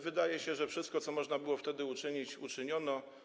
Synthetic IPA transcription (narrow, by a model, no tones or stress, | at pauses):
vɘd̪ajɛɕɛʐɛfʂɘst̪̚kɔt̪sɔmɔʐnabɘwɔft̪ɛd̪ɘut͡ʂɘɲit͡ɕut͡ʂɘɲɔnɔ